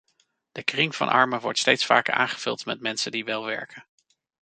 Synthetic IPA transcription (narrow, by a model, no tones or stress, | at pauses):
d̥əkrɪŋv̥ɑ̰nʔɑ̰ɹməʋɔ̰ɹtstejtsfa̰ːkəɹa̰ːnχəv̥ɵ̰lˠtmɛtmɛnsəndiʋɛlˠʋɛ̰ɹkən